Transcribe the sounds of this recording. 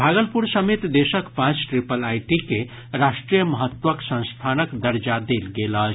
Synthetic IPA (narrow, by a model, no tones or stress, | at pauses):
bʱaɡəlpuɾsəmet̪d̪esəkpãt͡ʃʈɾipəlajʈike | ɾaʃʈɾijəməɦət̪wəksə̃ñst̪ʰanəkd̪əɾd͡ʒad̪elɡelət͡ʃ